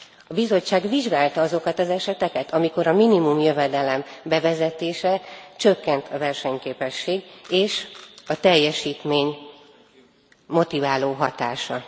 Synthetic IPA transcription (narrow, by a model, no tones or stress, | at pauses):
ɒbizo̞t͡ʃːaːɡviʒɡaːlt̪ɒɒzo̞kɒt̪ɒzɛʃɛt̪ɛkɛt̪ʰɒmiko̞ɾɒminimumjø̞vɛd̪ɛlɛmbɛvɛzɛt̪eːʃɛt͡ʃø̞kːɛnt̪ʰɒvɛrʃɛɲkeːpɛʃːeːɡeːʃɒt̪ɛjːɛʃiːt̪meːɲ | mo̞t̪ivaːloːɦɒt̪aːʃɒ